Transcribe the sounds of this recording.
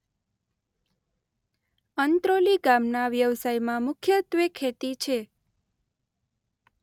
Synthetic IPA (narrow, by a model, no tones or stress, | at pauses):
ənt̪ɾoliɡamnaʋjəʋsajmãmʊkʰjət̪ʋekʰːet̪it͡ʃʰe